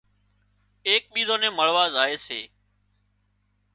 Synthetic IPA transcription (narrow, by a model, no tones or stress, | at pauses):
eːk̚ɓiːzoːnẽːməɭ̤ʋaːzaːeːsḛː